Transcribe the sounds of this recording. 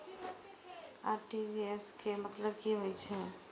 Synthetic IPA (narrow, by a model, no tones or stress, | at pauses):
a̰ɾʈibieskemət̪ləbkiɦojt͡ʃʰɛ